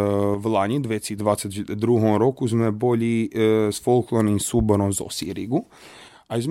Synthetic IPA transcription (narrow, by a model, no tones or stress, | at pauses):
ʋlˠaɲid̪ʋet̪sid̪ʋaːt̪set̪d̪ɾuɦomɾokuzmɛboʎisfolˠklˠonimsuboɾomzo̰sḭɾiɡu | aizm